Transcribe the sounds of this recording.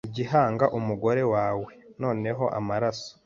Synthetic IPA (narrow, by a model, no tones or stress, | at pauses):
ɟiɦaːŋɡaʔumuɡo̞ɾe̞waːwe̞no̞ːne̞ɦo̞ʔamaɾaso̥